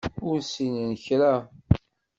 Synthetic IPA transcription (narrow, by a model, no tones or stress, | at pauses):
ʊɾsinənçɾæ